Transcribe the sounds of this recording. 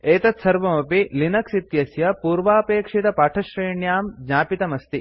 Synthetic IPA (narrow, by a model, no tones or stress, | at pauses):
eːt̪ɐt̪sɐɾʋɐmɐpilinɐksit̪jɐsjɐpuːɾʋaːpeːkʂit̪ɐpaːʈʰɐʃɾeːɳjaːmd͡ʒaːpit̪ɐmɐst̪i